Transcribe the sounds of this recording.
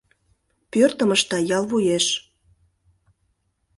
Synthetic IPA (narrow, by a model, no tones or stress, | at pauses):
pørt̪ə̆məʃt̪ɑjɑlβujeʃ